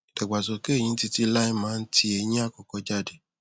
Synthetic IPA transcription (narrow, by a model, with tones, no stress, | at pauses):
tɛ˨ɡ͡ba˨so˨ke˦˨jĩ˧˦ti˧ti˧˦la˦ĩ˦mãː˨˦n̩˦tʰi˧e˧j̃ĩ˦a˦˨kɔ˨kɔ˧d͡ʒa˦˨de˨